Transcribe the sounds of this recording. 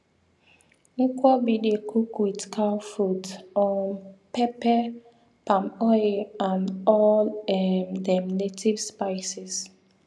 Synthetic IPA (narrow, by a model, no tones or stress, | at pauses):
nikwɔbidekʰukwidkʰawfɹutɔnpɛpɛ | pamɔjãnɔlɛmdɛmnetʰivspajsis